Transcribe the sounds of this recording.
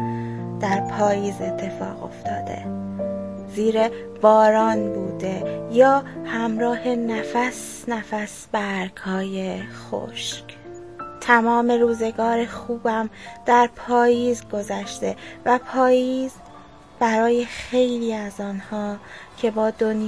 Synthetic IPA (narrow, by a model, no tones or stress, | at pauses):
d̪̥æɾpʰɒːjiːze̞t̪ʰːe̞fɒ̰ːɣo̞̰ft̪ʰɒ̰ːd̪e̞̰ | ziːɾe | b̥ɒːɾɒːnbuːd̪e̞jɒːhæmɾɒːhe̞næfæs | næfæsbæɾɡhɒːje̞xo̰ʃc | t̪ʰæmɒːme̞ɾuːze̞ɡɒːɾe̞xuːbæmd̪̥æɾpʰɒːjiːzɡo̞zæʃt̪e̞væpʰɒːjiːz | b̥æɾɒːje̞xe̞jliːæzɒːnhɒːcʰe̞bɒːd̪on